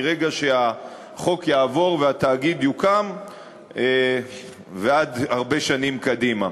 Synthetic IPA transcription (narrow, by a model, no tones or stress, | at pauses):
ʁeɡaʃe̞a | χo̞kjaːvo̞ʁveat̪aːɡid̪jukam | e | vead̪aʁbe̞ʃanimkad̪ima